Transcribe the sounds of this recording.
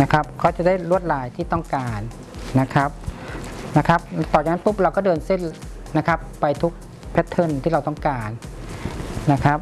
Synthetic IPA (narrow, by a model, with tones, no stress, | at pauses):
na˦˥kʰa˦˥p̚kʰɔː˧˥˩t͡ɕa˧˩da˥˩jlu˥˩ət̪̚laː˨˦jt̪ʰiː˥˩t̪ɔ˥˩ŋkaː˨˩nː | a˦˥kʰa˦˥p̚na˦˥kʰa˦˥p̚t̪ɔː˨˩t͡ɕa˨ŋa˧˥npu˦˥˩p̚ɾa˧wkɔː˥˩dɤː˧nse˥˩nː | a˦˥kʰa˦˥pːa˧jt̪ʰu˦˥k̚ | pʰɛ˦˥t̪ʰːɤ˧˥˨nt̪ʰiː˥˩ɾa˧wt̪ɔ˥˩ŋkaː˨˩nː | a˦˥kʰa˦˥p̚